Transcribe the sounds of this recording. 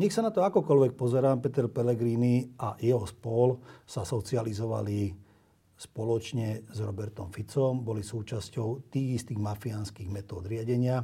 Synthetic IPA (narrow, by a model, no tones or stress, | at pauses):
ɲɛxsanat̪ɔakɔkɔlʋɛk̚pɔzɛɾaːmpɛt̪ɛɾpɛlɛɡɾiːniajɛɦɔspɔlsasɔt͡sializɔʋa̰li | spɔlɔt͡ʃɲɛzɾɔbɛɾt̪ɔmfit͡sɔmbɔlisuːt͡ʃascɔʊt̪iːɣist̪iːɣmafianskiːɣmɛt̪ɔːd̪ɾɪaɟɛɲɪa